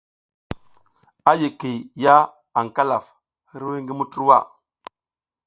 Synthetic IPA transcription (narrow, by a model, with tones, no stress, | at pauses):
a˦ji˨ki˨ja˦ | a˨ŋka˦la˨f | hi˦ɾwi˦ŋɡi˦mu˦tu˦ɾwa̰˦˨